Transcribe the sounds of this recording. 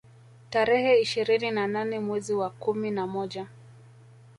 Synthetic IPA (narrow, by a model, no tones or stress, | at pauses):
taɾɛhɛiʃiɾininananɛmwɛziwakuminamɔʄa